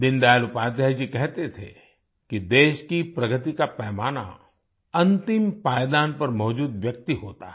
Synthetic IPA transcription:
d̪ɪ̃nd̪aːlʊpaːt̪jad͡ʒikɛɦt̪et̪ʰḛ | kid̪eːʃkipɾɐɡət̪̬ikapɛːmaːna̰ | ɐ̃nt̪ɪmpaːjd̪aːnpɐɾmɔːd͡ʒuːd̪ʋjɐk̚t̪iɦoːt̪aɦ

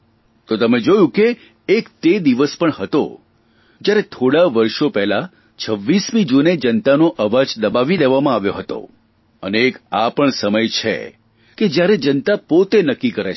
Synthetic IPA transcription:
t̪ot̪əmed͡ʒojũkeː | kt̪ed̪iʋəspəɳɦət̪o̰ | d͡ʒjaɾet̪ʰoɽaʋəɾʃopɛɦla | t͡ʃʰəʋːismĩd͡ʒuned͡ʒənt̪anoʔəʋad͡ʒd̪əbaʋileʋamãaʋjoɦət̪o̰ | ə̰neːkapəɳsəməjt͡ʃʰḛ | ked͡ʒjaɾed͡ʒənt̪apot̪enəkːikəɾe

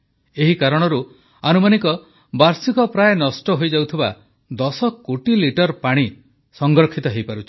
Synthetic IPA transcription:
eɦikaɾɔɽ̃ɔɾu | anumanikɔ | baɾsikɔpɾajnɔsʈɔɦojd͡ʒawt̪ʰiba̰ | d̪ɔsɔkoʈiliʈɔɾpaɽ̃i | sɔŋɡɾɔkʰːit̪ɔɦejpaɾut͡ʃʰi̥

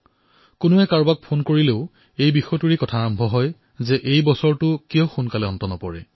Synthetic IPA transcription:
kʊnʊɛkaɹbak̚pʰonkoɹileʊ | ejbixɔtuɹikɔtʰaːɹɔmbʱɔɦɔj | zɛʔejbɔsɔɹtʊkijɔxunkalɛɔntɔnɔpɔɹɛ̰

